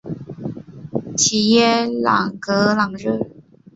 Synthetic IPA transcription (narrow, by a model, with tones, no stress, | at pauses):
t͡ɕʰi˨˩jɛ˥˩lɑ̰˨˩ŋkɤ˧˥lɑ˨˩ŋɻə˥˩